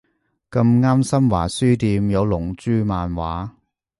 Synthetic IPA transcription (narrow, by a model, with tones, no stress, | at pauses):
kɐ˧mŋaː˥msɐ˥mwaː˨˩syː˥t̪iː˧mjɐ˨˧wlʊ˨˩ŋt͡ʃyː˥maː˨˧nwaː˨˥